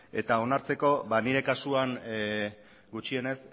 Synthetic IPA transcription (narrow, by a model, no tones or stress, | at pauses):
e̞t̪ao̞naɾt͡se̞ko̞βaniɾe̞kasuan | ɡut͡ʃie̞ne̞s